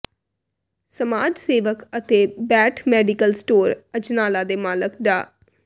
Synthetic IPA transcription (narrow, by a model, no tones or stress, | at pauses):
səmaːd͡ʒseːʋəkət̪eːbɛːʈʰmɛːɖikəlsʈoːɾəd͡ʒnaːlaːd̪eːmaːləkɖaː